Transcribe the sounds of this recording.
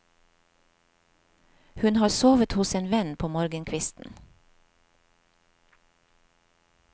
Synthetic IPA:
hʉnhɑːɾsoːʋət̪hʊseːnʋɛnpʰoːmoːɾɡənkʰʋɪst̪n̩

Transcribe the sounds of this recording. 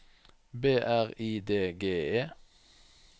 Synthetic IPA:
beːʔæʁiːd̪eːɡeːeː

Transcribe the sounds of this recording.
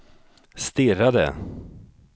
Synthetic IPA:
st̪ɪɾad̪ə̰

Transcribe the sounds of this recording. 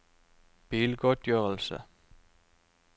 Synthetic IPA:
b̥iːlɡ̥ɔd̪̥jøːəlsə

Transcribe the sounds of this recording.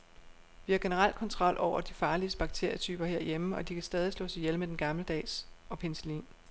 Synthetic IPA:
ʋihɑ̈ɡ̥e̝nəʁɑ̈l̰d̥kʰɒ̽nt͡sʰʁɒ̽l̰ʔɒʊ̰ɐd̥ifɑ̈ːliəsb̥ɑ̈ɡ̥̚t͡sʰe̝ɐ̰jət͡sʰy̰ːb̥ɐhe̝ɐ̰jeməɒ̽d̥ikʰæsd̥ɛːð̞ˠislɔ̰̽ːsɑ̈ɪjelmed̥enɡ̥ɑ̈mləd̥ɛ̰ːsɒ̽pʰensəlḭːn

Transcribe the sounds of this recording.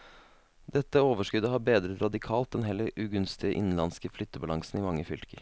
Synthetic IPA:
d̪̥ɛt̪ːəoːʋəʂkʉd̪əhɑːɾbeːd̪ɾəɾɑd̪ɪkʰɑːlt̪̚d̪ɛnɦɛlːəɾʉɡʉnst̪ɪəʔɪ̰nn̩lɑnskəflʏt̪ːəbɑlɑŋsn̩imɑŋːəfʏlkəɾ

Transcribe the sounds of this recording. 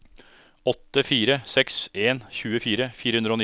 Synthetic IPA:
ɔt̪ːəfiːɾəsɛkseːnçʉːəfiːɾəfiːɾəhʉnd̪ɾəoːn

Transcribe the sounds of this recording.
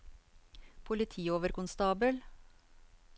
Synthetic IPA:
pʰʊlɪt̪ʰiːoːʋəɾkʊnst̪ɑːbəl

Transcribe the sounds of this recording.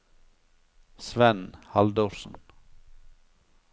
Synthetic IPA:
sʋɛnhɑld̪ɔɾʂn̩

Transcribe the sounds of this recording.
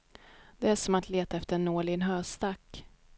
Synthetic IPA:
d̪ɛæʂɔmat̪leːt̪aɛft̪əɾɛnoːɭɪənɦœːʂt̪akː

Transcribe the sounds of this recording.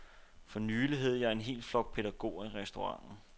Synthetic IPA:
fɒ̽nyːliɦeð̰ˠjɑ̈ɪe̝nɦe̝̰ːld̥flɒ̽ɡ̥̚pʰe̝ɾæɡ̥o̝̰ːiʁɛsd̥o̝ʁɑ̈ŋ̰n̩

